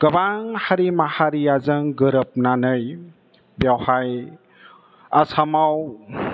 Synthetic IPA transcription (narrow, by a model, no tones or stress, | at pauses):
ɡ̥ɐbaŋhaɾimahaɾijazɯŋɡɯɾəp̚nanɯj | bjawhaj | asʰamaw